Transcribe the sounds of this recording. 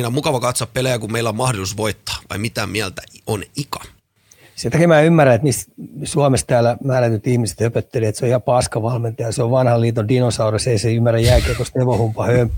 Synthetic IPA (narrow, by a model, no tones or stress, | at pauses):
inæomukɑʋɑkɑt̪soɑppelejækummeilːommɑhdot̪usʋoit̪ːɑ̥ːʋɑ̰imit̪æmiælt̪æonikɑ̥ | set̪ækemæːymːærːæet̪niːst̪suɑmest̪æːlæmæːræt̪yt̪ihmise̥t̪høpøt̪ːeleet̪seoihɑpɑskɑʋɑlment̪ɑjɑseoʋʋɑnhɑliːt̪ondinosɑurɑseiseymːærːæjjælkeːkost̪eʋohumpɑhøm